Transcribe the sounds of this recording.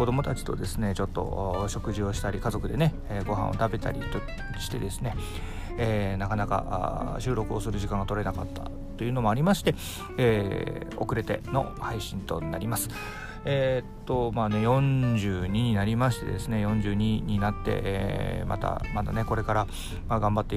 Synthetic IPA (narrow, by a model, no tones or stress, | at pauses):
kod̪o̞mo̞t̪at͡ɕi̥t̪o̞d̪e̞sɨne̞t͡ɕo̞t̪ːo̞̰ɕo̞kɯ̟ʑio̞ɕi̥t̪aɾʲikazo̞kɯ̟d̪e̞ne̞ːɡo̞ɦã̰ʔo̞̰t̪abe̞t̪a̰ɾʲḭt̪o̥ | ɕi̥t̪e̞d̪e̞sɨne̞ | nakanaka̰ʔɕɨːɾo̞kɯ̟o̞sɨɾɯʑikãŋɡat̪o̞ɾe̞nakat̪ːa̰ | t̪ːo̞iɯ̟ːno̞mo̞aɾʲimaɕi̥t̪e̞ | eːo̞̰kɯ̟ɾe̞t̪e̞̰no̞̰haiɕĩnt̪o̞ɲinaɾʲimasɨ̥ | et̪ːomaːne̞jõ̞ɲd͡ʑɨːɲ̟iɲ̟inaɾʲimaɕi̥t̪e̞̰d̪e̞sɨne̞jõ̞ɲ̟d͡ʑɨːɲ̟iɲ̟inat̪ːe̞̰ma̰t̪a̰mat̪a̰ne̞ko̞ɾe̞kaɾa | maɡãmbat̪ːe